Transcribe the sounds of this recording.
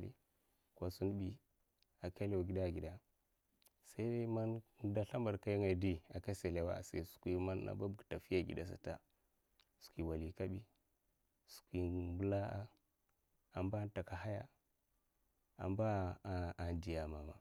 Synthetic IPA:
lḭ˦ | kʷa˨su˦n˦bi˨ | a˨ka˦le˦˨a˨ɡi˦da˦˨ɡi˨da˨ | sa˦i˦ma˦n˦da˦ɬa˦mba˨ɾka˦ja˦ŋa˨di˦a˨ka˦se˨le˨wa̰˨sa̰˦su̥˨kʷi˦ma˦na̰˨ba˦bɡta˨fi˦ja˨ɡḭ˨da˦sa̰˨ta̰˦ | su̥˨kʷi˨wa˨li˨ka˦bi˦ | su̥˨kʷi˨bu˦la˦a˦ | a˨mba˦n˦ta˨ka˨ɦa˦ja˦ | a̰˨mba˦˨a˨nd͡ʒi˨ja˨ma˨ma̰˨

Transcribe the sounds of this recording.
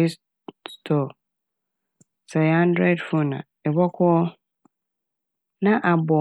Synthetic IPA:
i˦s | stʰɔ˨ | sɛ˨ã˦ndɾɛ˦dfʊ˦nã̰˨ɛ˨bɔ˦kʰɔ˦ɔ˦ | nã˦ʔa˨bɔ˨

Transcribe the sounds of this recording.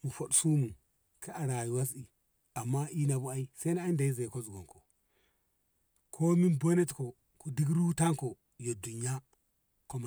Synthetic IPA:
mu˨fo˨ɗsu˦mu˨ | kʰi˦a˨ɾa˨ji˨wa˦s̬i˨ | a˨mːa˦i˦na˨bu˦a˦i˦sa˦i˦n˦a˦i˦nda˨i˦ze˨ko˦zu˨ɡo˨ko˨ | kʰo˦mi˦nbo˦ne˦tko˨ | ku˨di˦ɡɾu˦ta˦ŋko˨ | jo˨du˨ɲa˦ | ko˦m˨

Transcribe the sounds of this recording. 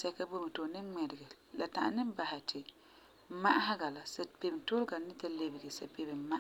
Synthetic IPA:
sɛ˦ka˦bo˦m˨to˨˦nɪ˦mɛ˨ɾɪ˨ɡɛ˨ | la˨ta̰˨ʔa̰˨nɨ˦m˦ba˨hɪ˨tʰɪ˨ | ma˦ʔa˦ɦa˦ɡa˨la˨sa˨pe˨bto˦lɡa˨nɪ˦ta˦le˨bɪ˨ɡɛ˨sa˨pe˨bɨ˨ma˦ʔ

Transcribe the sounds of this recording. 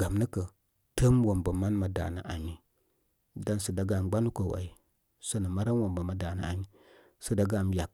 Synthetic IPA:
ɡa˨mnə˦kə˨ | tə˦mwo˨mbə˨ma˦nma˨da̰˨na̰˨ʔa˨ɲi˨ | da˦nsə˨da˨ɡa˨ɡ͡ba˦nu˦kə˨wa̰˨i˨ | sə˦nə˨ma˦ɾa˦nwa˨mba˨ma˦da˨na̰˨a̰˨ɲi˦ | sə˨da˨ɡa˦˨mja˨k̚

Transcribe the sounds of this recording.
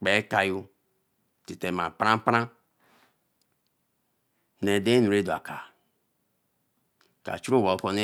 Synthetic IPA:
k͡pe˨˦ka˨ju˦ | ti˨te˨ma˨pɾã˦pɾã˦ | ne˨de˦nu˨ɾe˦du˨a̰˨ka˨ | ka̰˨t͡ʃu˦o˦wo˨˦ko˦ne˦

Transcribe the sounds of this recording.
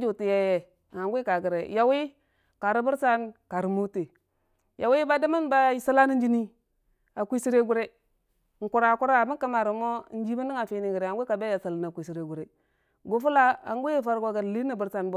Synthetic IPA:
d͡ʒu˨ti˨je˦je˦˨ | ŋa˨˦ɡʷi˦ka˨ɡə˨ɾḛ˨ja˨wi˦ | ka˨ɾi˦bu˦ɾsa˦nka˨ɾi˨mu˦te˨ | jʔa˨wi˦ba˦da˦ma˦nba˦sa˦la˦ni˦nd͡ʒi˦ni˦ | a˨kʷi˦si˦ɾe˦ɡu˦ɾe˦ | ŋ̩˨ku˨ɾa˨ku˦ɾa˦a˨mi˦ka˦ma˨ɾu˨mo˦n̩˦d͡ʒi˦ba˦ni˦ŋa˨fi˨ni˨ɡi˨ɾe˨a˨ɡʷka˨be˦ja˨sa˨lna˨kʷi˨si˨ɾe˨ɡu˨ɾe˨ | ɡo˨fu˦la˦a̰˨ŋ˦ɡʷi˦fa˦ɾɡo˨ɡa˨ɾli˦ni˨bu˨ɾsa˦nbo˦

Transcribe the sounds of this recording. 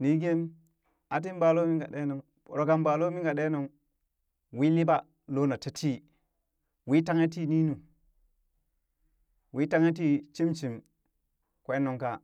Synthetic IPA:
ni˨˦ɡe˦m | a˨t̬i˦nba˨lo˦mi˦ŋɡa˨ɗe˦no˨ŋ | o˨ɾo˨ka˨mba˨lo˦mi˦ŋɡa˨ɗe˦no˨ŋ | wi˦li˦ba˦ | lo˦na˨ta˦tʰi˦ | wi˦ta˦ŋe˦t̬i˦ni˦nu˨ | wi˦ta˦ŋe˦t̬i˦t͡ʃi˦mt͡ʃi˨m | kʷe˦nːo˨ŋka˦

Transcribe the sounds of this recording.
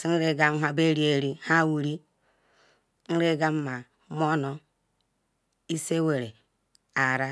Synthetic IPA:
si˦n̩˦ɾe˦ɡa˦m˦ɦa˦be˦ɾi˦e˦ɾi˦ha˦wu˨ɾi˦ | n̩˦ɾe˦ɡa˦mːa˨˦ | mo˦no˦ | i˦se˦we˨ɾe˨ | a˨ɾa˦

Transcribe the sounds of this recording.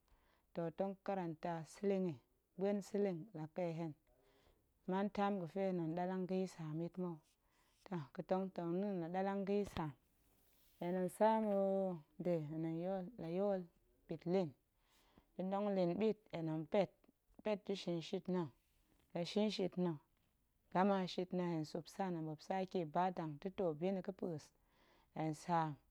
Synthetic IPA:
to˨to˦ŋka˦ɾa˨nta˨si˦li˦ŋi˨ | ɡ͡be˦nsi˦li˦ŋla˨ke˦˨ɦe˦n˨ | ma˦nta˦mɡə˨fe˦˨no˨nɗa˦la˦ŋɡi˦sa˨mi˦tmo˦˨ | ta˦˨kə˨to˦ŋto˨ni˦nla˨ɗa˦la˦ŋɡi˦sa˨m | e˨no˨nsa˦mo˨˦de˨no˨njo˦lla˨jo˦l | b̥i˨tli˦˨n | di˨do˦ŋli˨nbi˦t̚e˨nə˨npe˦˨t̚ | pe˦t̚di˦ʃi˨nʃi˦tno˨ | la˨ʃi˦nʃi˧tno˨ | ɡ̥a˦ma˨ʃi˧tno˧he˨n˨su˨psa˦˨na˨bo˨psa˦ki˦˨ba˦da˨ŋti˦to˨bi˦ni˨kə˦pə˨s | e˨nsa˨˦m

